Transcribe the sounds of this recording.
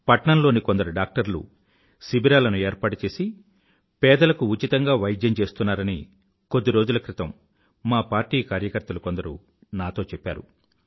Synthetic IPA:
pɐʈɳɐmlo̞ːniko̞nd̪ɐɾuɖaːk̚ʈɐɾlṵ | sibiɾaːlɐnueːɾpaːʈut͡ʃe̞ːsi | pɛːd̪ɐlɐkuut͡ʃit̪ɐŋɡaːʋɐjɐd̪jɐmt͡ʃe̞ːst̪unːaːɾɐni | kod̪ːiɾoːd͡ʒulɐkɾit̪ɐmː | aːpaːɾʈiːkaːɾjɐkɐɾt̪ɐluko̞nd̪ɐɾṵ | naːt̪o̞ːt͡ʃɛpːa̰ːɾu

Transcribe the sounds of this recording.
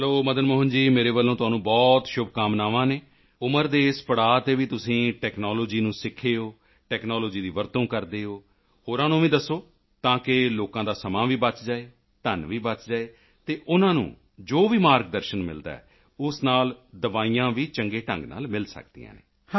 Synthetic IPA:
ɦloːməd̪ənmoːɦənd͡ʒiːmeːɾeːbəlːõːt̪ʊãːnũːbɔːt̪ʃʊbkaːmnaːʋãːneː | ʊməɾd̪eːɪspəɽaːt̪eːʋiːt̪ʊsĩːʈɛːknɔːloːd͡ʒiːnũːsɪkʰːeːoː | ʈɛːknɔːloːd͡ʒiːd̪iːʋəɾt̪õːkəɾd̪eːoː | hoːɾãːnũːʋĩːd̪əsːoː | t̪ãːkɪloːkãːd̪aːsəmãːʋiːbət͡ʃd͡ʒaːeː | t̪ənʋiːbət͡ʃd͡ʒaːeː | t̪eːʔʊnãːnṵ̃ː | d͡ʒoːʋiːmaːɾk̚d̪əɾʃənmɪ̰ld̪a̰ːɛ̰ː | ʊsnaːld̪əʋaːiːjãːʋiːt͡ʃəŋɡeːʈə̰̃ŋɡna̰ːlmɪlsə̰k̚d̪ḭjã̰ːnḛː

